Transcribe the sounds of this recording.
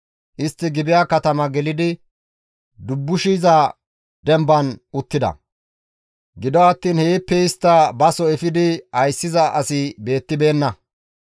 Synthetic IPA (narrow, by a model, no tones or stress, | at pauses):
ʔɪst̪ːɪɡɪbɪjaːkɐt̪ɐmɐɡɛlɪd̪ɪ | d̪ʊbːʊʃizɐ | d̪ɛmbɐnʊt̪ːɪd̪ɐ̰ | ɡɪd̪ɔɐt̪ːiːnheːpːɛɪst̪ːɐbɐsɔɛfɪd̪ɪɐjsːɪzɐʔɐsɪbe̞ːt̪ːɪbe̞ːnːɐ